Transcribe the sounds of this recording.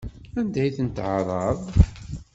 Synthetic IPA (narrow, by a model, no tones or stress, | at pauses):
ænd̪æjθənt̪ʕɾˤɑðˤ